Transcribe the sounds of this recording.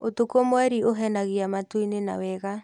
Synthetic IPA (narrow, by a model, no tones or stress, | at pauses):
otokomwɛɾioɦɛnaɣiamatwinena̰wɛɣa